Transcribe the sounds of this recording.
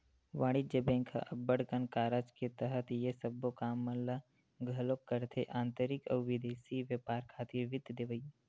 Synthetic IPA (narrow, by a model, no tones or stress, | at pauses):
ʋaːɽ̃id͡ʒəbẽːŋkʰa̰ʔɐbːəɽkənkaːɾat͡ʃket̪əɦət̪jesɐbːokaːmːɐnla | ɡʱɐlokːəɾt̪ʰeʔãːnt̪əɾɪkɔ̰ːɾʋɪd̪eːsiʋjəpaːɾkʰaːt̪iʋɪd̪ʱd̪eʋəi